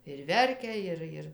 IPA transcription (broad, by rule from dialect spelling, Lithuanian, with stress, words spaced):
ɪr ˈʋʲɛrʲkʲɛ ˈɪr ˈɪr